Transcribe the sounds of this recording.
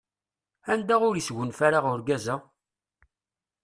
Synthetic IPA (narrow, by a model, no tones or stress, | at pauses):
ænd̪æʁʊɾisʝənfæɾaʁʊɾɡæza